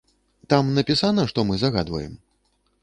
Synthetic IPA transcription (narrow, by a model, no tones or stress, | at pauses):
t̪amnɐpʲisanɐʂt̪ɔmɨzaɣa̰d̪vɐ̰jɛ̰m